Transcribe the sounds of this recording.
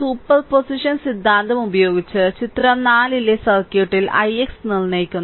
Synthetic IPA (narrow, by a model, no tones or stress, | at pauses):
suːpːɐlpo̞siʂɐnsid̪ʱːaːnd̪ʱɐmubɐjo̞ːɡit͡ɕːɨt͡ɕit̪rɐnaːlilesɐrkjuʈːilɐ̰jeksnilnejikʲːunː